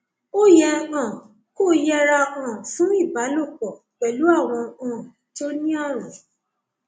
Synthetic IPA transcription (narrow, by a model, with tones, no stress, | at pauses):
o˦jɛ˧ã˨ | ko˦˨jɛ˦ɾa˧ã˨fũ˨˦i˦˨ba˨˦lo˦˨k͡pɔ˨ | k͡pɛ˨lu˨˦a˦˨w̃ɔ̃˧ã˨ | to˦nĩ˦a˦˨ɾ̃ɛ̃˨